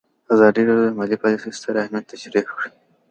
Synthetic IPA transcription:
azɑd̪iɾɑɖjod̪əmɑlipɑlisist̪ʰəɾahmjat̪ːaʃɾikkɽi

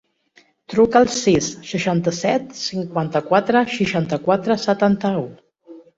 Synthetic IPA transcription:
t̪ɾukəlˠsisːəʃant̪əsɛt̪siŋkwant̪əkwat̪ɾəʃiʃant̪əkwat̪ɾəsət̪ant̪əu

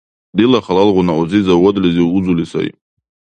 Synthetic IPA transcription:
d̪ilaχalalʁʷʊnaozizawɔd̪liziud͡zulisa̰j

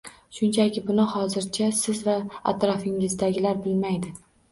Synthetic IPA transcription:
ʃʊnt͡ʃʰakʲɪbʊnɪhɒzɪɾt͡ʃʰasɪzvaa̰t̪ɾɒfɪŋɪzd̪aɡʲɪlaɾbɪlmajd̪ɪ

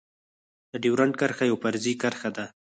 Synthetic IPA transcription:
d̪̥əɖiwɾaɳkəɾxajawpaɾzikaɾxad̪a

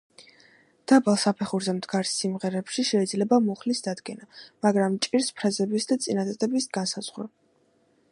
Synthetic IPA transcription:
d̪̥abalˠsapʰɛχuɾzɛmd̪ɡaɾsːimʁɛɾɛpʃiʃɛid̪zlɛbamɔχlisd̪ad̪ɡɛnamaɡɾamt͡ʃʼiɾspʰɾazɛbisd̪at̪sʼinad̪ad̪ɛbisɡansaz̥ʁɾa

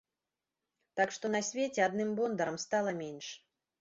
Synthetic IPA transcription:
t̪akʂt̪ɔnɐsʲvʲet͡sʲɛad̪nɨmbɔnd̪ɐɾɐmst̪alˠɐmʲenʲʂ

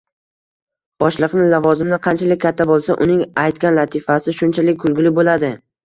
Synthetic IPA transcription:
b̥ɒʃlˠɨqnɪlavɒzɪmnɪqʰɑnt͡ʃʰalɪk̚ʲʰːat̪ʰːabolˠsaʔʊnɪŋajt̪kʲanlat̪ʰɪfasɪʃʊnt͡ʃʰalɪk̚ʲɡʊlˠɡʲɪlɪbolad̪ɪ

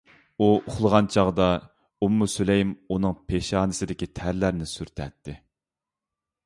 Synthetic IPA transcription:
uʊχlˠəʁɑnt͡ʃʰɑʁd̪ɑ | umːusulejimunɨŋpʰeʃɑːnɨsɪd̪ɪkʲit̪ʰæɾlæɾnɪsyɾt̪ʰɛ̰t̪ʰːɪ

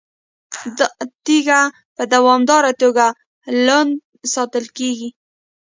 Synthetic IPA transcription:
d̪t̪iɡa | pəd̪awɑmd̪ɑɾat̪oɡa | land̪ | sɑt̪əlkeɡi

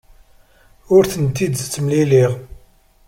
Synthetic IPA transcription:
ʊɾθənt̪ːid̪st͡sːmliliʁ

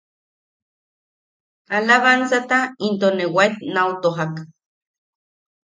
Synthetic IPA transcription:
alaβansat̪aint̪onewaet̪nawt̪oɦak

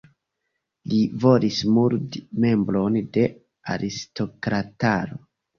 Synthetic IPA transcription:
livo̞lismuldme̞mbɾo̞nde̞ | a̰ɾisto̞kɾataɾo

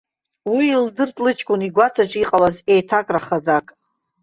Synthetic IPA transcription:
wiːldɨrtʼlɨt͡ʃʼkʷʼʊniɡʷat͡sʰat͡ʃʼiqʼalazejtʰakʼraχadakʼ

